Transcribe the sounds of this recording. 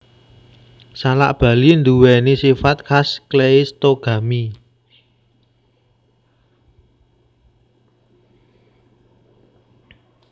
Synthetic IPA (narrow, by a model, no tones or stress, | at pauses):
sala̰ʔb̥ä̤lind̪uwɛnisifat̪̚kasklest̪oɡ̥a̤mi